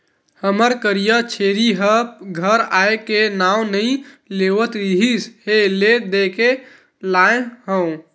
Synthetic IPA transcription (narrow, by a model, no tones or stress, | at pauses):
həməɾkəɾijət͡ʃʰeɾiɦəp̚ɡʱəɾaekenawnəĩlewət̪ɾiɦisheled̪eke | laɦə̃w̃